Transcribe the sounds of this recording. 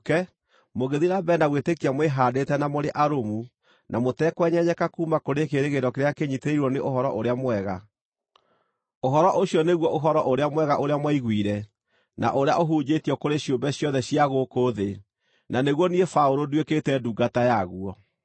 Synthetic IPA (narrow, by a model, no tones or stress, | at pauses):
kɛ | moɣeðiɾabɛnaɣwetekiamweɦaːdetɛnamoɾeʔaɾomu | nʔamotɛkwɛɲɛɲɛkakuːmakoɾekeɾeɣeɾɔkeɾeakeɲiteiɾwɔneʔoɦɔɾɔʔoɾeamwɛɣa | oɦɔɾɔʔoɕjɔneɣwɔʔoɦɔɾɔʔoɾeamwɛɣaʔoɾeamwaiɣwiːɾɛ | na̰ʔoɾea̰ʔoɦuːɲd͡ʑetiɔkoɾeɕjombɛɕjɔðɛɕiaɣokoðe | naneɣwɔniɛfaoɾodweketɛduːɡatajaɣuɔ